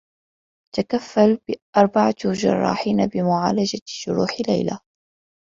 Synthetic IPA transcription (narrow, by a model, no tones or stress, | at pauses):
t̪akafːalbɪʔɑɾˤbaʕad͡ʒɑ̰rˤːɑ̰ːħiːnabɪmʊʕaːlad͡ʒaʃʊɾuːħla̰jla̰